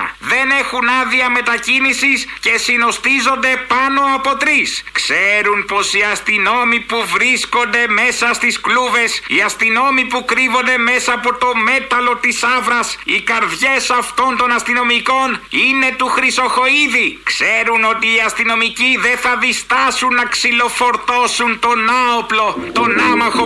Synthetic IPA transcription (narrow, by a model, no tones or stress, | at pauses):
ðe̞ne̞xunɐðiɐme̞t̪ɐcinisisce̞sino̞st̪izo̞nd̪e̞pɐno̞ɐpo̞t̪ɾiskse̞ɾunpo̞siɐst̪ino̞mipuvɾisko̞nd̪e̞me̞sɐst̪iskluve̞siɐst̪ino̞mipukɾivo̞nd̪e̞me̞sɐːpo̞t̪o̞me̞t̪ɐlo̞t̪isɐvɾɐsikɐɾðʝe̞sɐft̪o̞nt̪o̞nɐst̪ino̞miko̞nine̞t̪uxɾiso̞xo̞iðikse̞ɾuno̞t̪iːɐst̪ino̞miciðe̞θɐðist̪ɐsunːɐksilo̞fo̞ɾt̪o̞sunt̪o̞nɐoplo̞t̪o̞nɐmɐxo